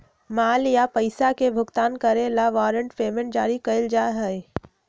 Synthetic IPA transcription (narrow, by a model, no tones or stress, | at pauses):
maːljapəɪsakebʱʊɡt̪aːnkɐɾelaʋaːɾə̃ɳʈfeːmə̃n̚d͡ʒaːɾikəɪld͡ʒaːɦɛe